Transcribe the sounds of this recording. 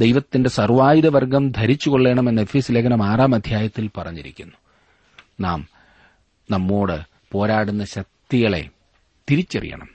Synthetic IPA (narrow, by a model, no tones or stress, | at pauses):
d̪ejʋɐt̪ːinde̞sɐrʋaːjiðɐʋɐrɡɐmd̪ʱɐɾit͡ɕːuɣo̞ɭːe̞ːɳɐme̞nːɐefisileːkːɐnɐmaːraːmɐd̪ʱjaːjɐt̪ːilpɐrɐɲːiɾḭkʲːunːu | naːm | nɐmːo̞ːɽɨ | po̞ːɾaːɽunːɐɕɐk̚t̪iɣɐɭe̞̰ | t̪iɾit͡ɕːɐrḭjɐ̰ɳɐ̰m